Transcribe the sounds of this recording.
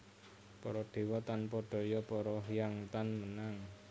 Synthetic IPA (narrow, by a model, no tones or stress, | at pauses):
pɔɾɔɖ̥e̤wɔt̪anpɔɖ̥ɔ̤jɔpɔɾɔjaŋt̪anmənaŋ